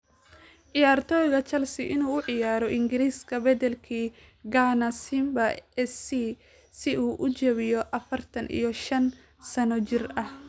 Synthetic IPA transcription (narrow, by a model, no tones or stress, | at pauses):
ʕɪjaːrt̪ʰɔːjɣɐt͡ʃɐlsɪʔɪnuːʊʕɪjaːɾɔʔɪŋɡɪɾiːskʰɐbɐd̪ɛlkʰiː | ɡanɐsɪmbɐɛsi | sɪʔuːʔʊt͡ʃɐβɪjɔʔɐfɐrt̪ʰɐnʔḭjɔʃɐn | sɐnɔt͡ʃɪrɐh